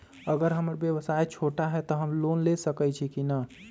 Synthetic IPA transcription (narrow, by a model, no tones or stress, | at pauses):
əɡəɾɦəməɾbjəʋsajt͡ʃʰoʈaɦɛt̪ɔɦəmlonlesəkət͡ʃʰikinə